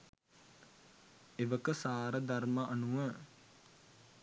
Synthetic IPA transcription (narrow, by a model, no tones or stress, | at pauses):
eʋəkəsaːɾəd̪arməʔanuʋə